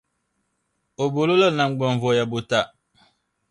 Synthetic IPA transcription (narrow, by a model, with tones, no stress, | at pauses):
o˨bo˨lo˦lə˦na˨ŋ̩˦ɡ͡bɔ˨ɱ˨vɔ˨ja˨bo˨ta˦˨